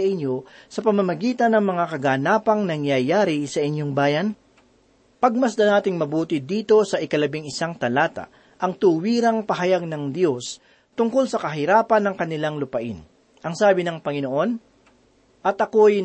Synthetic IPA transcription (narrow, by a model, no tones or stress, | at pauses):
ɐʔɪnɲjo̞sɐpɐmɐmɐɡiːt̪ɐnːɐŋmɐŋakɐɡaːnaːpɐŋnɐŋjɐjaːɾɪsɐʔɪɲjo̞ŋbaːjɐn | pɐɡ̚mɐsd̪ɐnaːt̪ɪŋmɐbuːt̪ɪd̪iːt̪o̞sɐʔɪkɐlɐbɪŋɪsaŋt̪ɐlaːt̪a̰ | ʔɐŋt̪uwiːɾɐŋpɐɦɐjaɡ̚nɐŋd̪jo̞s | t̪ʊŋko̞lsɐkɐɦɪɾaːpɐnːɐŋkɐnɪlaŋlʊpɐʔɪn | ʔɐŋsaːbɪnɐŋpɐŋɪno̞ʔo̞n | ʔɐt̪ʔɐkoj